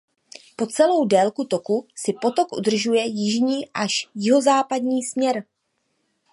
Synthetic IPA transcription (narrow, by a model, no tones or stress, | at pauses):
po̞t͡sɛlo̞wdɛlkut̪o̞kusɪpo̞t̪o̞kʔudr̩ʒujɛjɪʒɲiːʔaʃjɪɦo̞zaːpadɲiːsmɲɛɾ